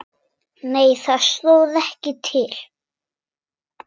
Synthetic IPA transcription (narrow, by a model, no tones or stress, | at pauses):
neːjθaðsloːwðɛhcɪt̪ʰɪl̥